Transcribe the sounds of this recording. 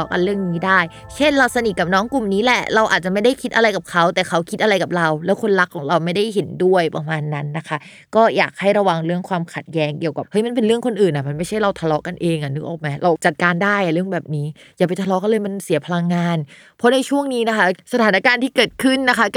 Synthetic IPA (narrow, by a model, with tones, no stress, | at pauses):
ɔ˦˥ka̰˧nɾɯ˥˩əŋniː˦˥daː˥˩j | t͡ɕʰe˥˩nɾa˧wsa˧ni˨˩t̪̚ka˨˩p̚nɔː˦˥ŋku˨˩mniː˦˥lɛ˨˩ɾa˧wʔa̰ː˨˩t̪̚t͡ɕa˨˩ma˥˩jda˥˩jkʰi˦˥t̪̚ʔa˧ɾa˧jka˨˩kʰa˦˥wt̪ɛː˨˩kʰa˦˥wkʰi˦˥t̪̚ʔa˧ɾa˧jka˨˩p̚ɾa˧wlɛː˦˥wkʰo˧nɾa˦˥kʰːɔː˨˩˦ŋɾa˧wma˥˩jda˥˩jɦe˩˦ndu˥˩əjpɾa˧maː˧nːa˦˥nːa˦˥kʰa˦˥ | kɔː˥˩ja̰ː˨˩k̚ha˥˩jɾa˧wa˧ŋɾɯ˥˩əŋkʰwaː˧mkʰa˨˩t̪̚jɛː˦˥ŋki˨˩əwka˨˩p̚hɤ˦˥jma˧np̬e˧nɾɯ˥˩əŋkʰo˧nʔɯː˨˩nʔa˨˩ma˧nma˥˩jt͡ɕʰa˥˩jɾa˧wt̪ʰa˧lɔ˦˥ka˧nʔeː˧ŋʔa˨˩nɯ˨˦˥ʔɔ̰ː˨˩k̚ma˦˥jɾʔa˧t͡ɕa˨˩t̪̚kaː˧ndaː˥˩jʔa˨˩ɾɯ˥˩əŋbɛː˨˩p̚niː˦˥ | jaː˨˩pa˧jt̪ʰa˧lɔː˦˥kɔː˥˩lɤː˧jma˧nsi˨˩˦ɐpʰa˧la˧ŋːaː˧n | pʰɔ˦˥na˧jt͡ɕʰu˥˩əŋniː˦˥na˦˥kʰa˦˥sa˧t̪ʰaː˩˦na˦˥kaː˧nt̪ʰiː˥˩kɤː˨˩t̪̚kʰɯ˥˩nːa˦˥kʰa˦˥